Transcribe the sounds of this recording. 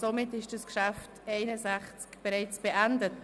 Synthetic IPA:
somɪtɪʃd̥ɑskʃæftɛɪnəzæχt͡skb̥ɛɾɛɪt͡sb̥eʔændət

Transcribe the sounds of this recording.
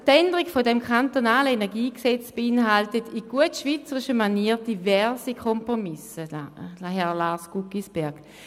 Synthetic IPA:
tɛndəʁiɡfodɛmkʰantonaːləenɛɐɡiːksɛt͡sb̥einɦaltətiɡ̥uətʃvit͡səʁiʃəmaniːɐt̚d̥ivɛɐsikʰɔmpʁomɪsəɦɛlaːsɡ̥ukisb̥ɛɐɡ̥

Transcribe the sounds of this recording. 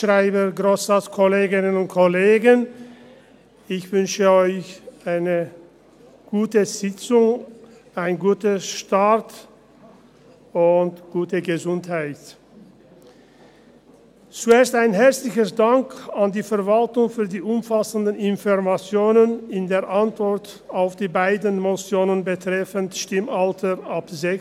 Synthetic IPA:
ʃʁaɪbəɡʁoːsat͡skʰɔleːɡɪnənʊnt̚kʰɔleːɡən | ɪçv̥ʏnʃəɔʏçaɪnə | ɡ̥uːtəz̥ɪt͡sʊŋ | aɪnɡuːtəʃtat | ʊntɡ̥uːtəɡəzʊnthaɪt | t͡sueːɐstaɪnɦɛɐt͡slɪçəsd̥aŋkandiːfɛɐvaltʊŋfyːɐdiːʔʊmfasəndənɪnfɔʁmat͡sjoːnənɪndeːɐʔantv̥ɔʁt | aʊfd̥iːbaɪdən̩mot͡sjoːnənbətʁ̥ɛfəntʃtɪmʔaltʰəʔapzɛ

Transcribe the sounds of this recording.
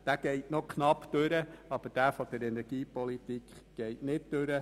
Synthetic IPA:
d̥æɡ̥ɛɪtnokχnɑpd̥̪øɾəɑb̥əɾd̥æːfɔd̥̪əɾɛnɛɾɡ̥iːpɔlit̪ikχɡ̥ɛɪtnɪt̚d̥øɾə

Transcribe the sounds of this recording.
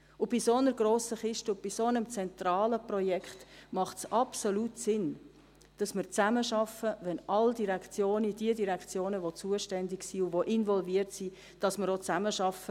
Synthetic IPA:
ʊb̥isonəɾɡroːsəχɪʃtʊb̥isonəmt͡sɛnt̪rɑːləprɔjɛkχtmɑχtsɑpsoluːtsɪn | d̥ɑsməɾt͡sæməʃɑfəʋɛnʔɑldiɾɛkt͡sjoːnid̥iədiɾɛkt͡sjoːnəʋot͡suəʃtɛndɪɡsiʊʋoʔɪnvɔlviəɾtsi | d̥ɑsməɾot͡sæməʃɑfə

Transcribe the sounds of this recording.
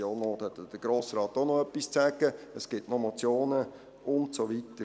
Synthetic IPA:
joːnoːt̪hɛt̪ːd̥əɡ̥ɾoːsɾɑːt̪onoœpːist͡sæɡ̥əəsɡ̥ɪtnomɔt͡sjoːnə | ʊntsoʋitə

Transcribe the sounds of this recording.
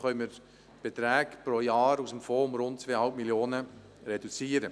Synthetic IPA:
χœʏməɾ | b̥et̪ɾɛːkpɾojɑːɾusəmfoːʊmɾʊnt̚t͡sʋeːəhɑlpmiljoːnə | ɾedut͡siːəɾə

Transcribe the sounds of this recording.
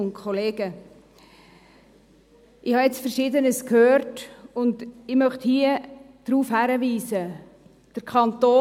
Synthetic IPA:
ʊnkʰχɔleːɡ̥ə | ʔɪhɑjɛt͡sfəɾʃɪdənəskʰhøːɾtʊndɪmœχthiə | d̥ɾuːfhæɾəviːsə | d̥əɾkʰɑnt̪oː

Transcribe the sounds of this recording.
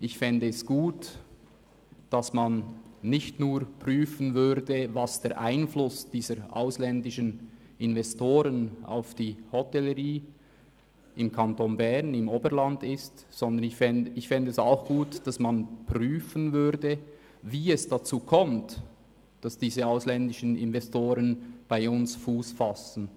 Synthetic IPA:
ʔɪçfɛndəɛsɡ̥uːt | d̥ɑsmanːɪçtnuːɾpʁ̥yːfənvʏɾdəvɑsd̥eɐɾʔa̰ɪnflʊsd̥iːzəɾʔa̰ʊslɛndɪʃən | ɪnvɛstoːɾəna̰ʊfd̥iːhɔtɛləʁiː | ʔɪmkʰantonbɛʁnɪmoːbəɾlandɪstsɔnd̪ənɪçfɛnɪçfɪndəɛsaʊxɡ̥uːtd̥ɑsmanpʁ̥yːfənvʏɾdə | viːɛsd̥at͡suːkʰɔmt | d̥ɑsd̥iːzəaʊslɛndɪʃənɪ̰nvɛstoːɾənb̥aɪʊnsfuːsfasn̩

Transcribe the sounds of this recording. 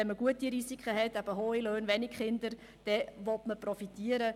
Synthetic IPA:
ɛnməɡ̥uətiɾisikχəɦɛtæb̥əɦoːiløːnʋɛnikχɪnd̪əɾ | d̥ɛʋɔtməprɔfitiəɾə

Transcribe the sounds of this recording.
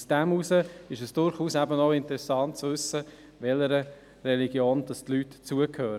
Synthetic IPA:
sd̥æmusəɪʃəsd̥ʊɾχuːsæbənoɪntəɾɛsɑntt͡sʋʉsə | ʋɛləɾə | rɛliɡjoːnd̥ɑstlytt͡suəkʰhøːɾ

